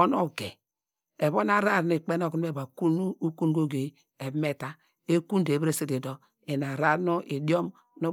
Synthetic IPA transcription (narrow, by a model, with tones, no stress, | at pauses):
o˦no˦ɡḛ˨ | e˨βo˦na˦˨ɾa˦˨n˦˨i˨k͡pe˦no˦˨ku˦n˦e˦˨ba˨ku˦nu˦u˦ku˦n˦ɡo˦ɡe˨ | e˨bme˦ta˦ | e˦ku˦nde˨bɾe˦se˦de˨do˦ | e˨na˨ɾa˦no˦ʔi˨do˦m | no˦